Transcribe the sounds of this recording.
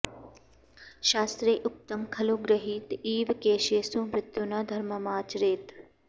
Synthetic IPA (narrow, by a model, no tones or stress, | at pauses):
ʃaːst̪ɾiːʔʊk̚t̪əmkʰɐloːɡɾəɦiːt̪iːʋkeːʃeːsũːmɾɪt̪junad̪ʱɐɾmɐmaːt͡ʃɾeːt̪